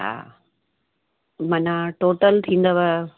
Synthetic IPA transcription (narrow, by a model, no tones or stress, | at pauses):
ɦa̰ː | mɐnaʈoːʈəlt̪ʰĩːn̆d̪əʋaj